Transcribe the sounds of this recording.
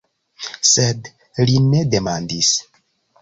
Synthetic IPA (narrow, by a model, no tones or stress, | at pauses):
sed | line̞de̞mandis